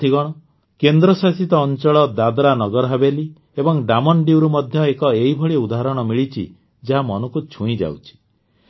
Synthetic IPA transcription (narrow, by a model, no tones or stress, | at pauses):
t̪ʰiɡɔɽ̃ɔ | kend̪ɾɔsasit̪ɔːnt͡ʃɔɭɔd̪ad̪ɾanɔɡɔɾɔɦabeli | ebɔŋɖamɔnɖiwɾumɔd̪ʱjɔekɔeibʱɔɭiud̪aɦɾɔɽ̃ɔmiɭit͡ʃʰḭ | d͡ʒaɦamɔnukut͡ʃʰũĩd͡ʒa̰wt͡ʃʰi̥